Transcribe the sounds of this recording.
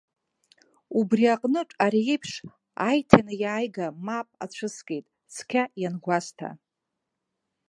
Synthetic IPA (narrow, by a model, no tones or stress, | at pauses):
ubriaqʼnɨʈ͡ʂʷʼaɾiipʰʂ | a̰jtʰanɨjaːjɡamapʼa̰t͡ɕʷʰɨskʲʼejtʼ | skʲʰajanɡʷastʰa̰